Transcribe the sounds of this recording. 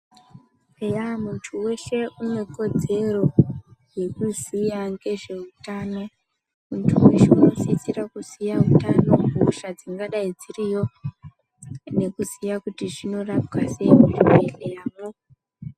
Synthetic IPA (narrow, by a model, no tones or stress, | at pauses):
ejamuntʰuwe̞ʃe̞ʔumwe̞ko̞d͡ze̞ro̞je̞kuzijaŋɡe̞ʐe̞utano̞ | muntʰuweʃeunosit͡sirakusijautano̞uːʃad͡ziŋɡaɗaid͡zirijo̞ | ne̞kuzijakutiʐino̞rap̚kaseimuʐiwelejaːmo